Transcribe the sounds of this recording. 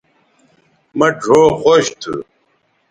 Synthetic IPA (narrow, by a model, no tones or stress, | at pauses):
mɐɖʱoːxoɕt̪ʰṵ